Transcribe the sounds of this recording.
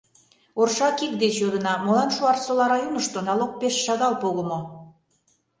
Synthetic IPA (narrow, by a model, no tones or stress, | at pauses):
orʃɑkik̚d̪et͡ɕjod̪ə̆nɑmolɑnʃuɑrsolɑɾɑjunəʃt̪onɑlok̚peʃːɑd̪ɑlpoɣəmo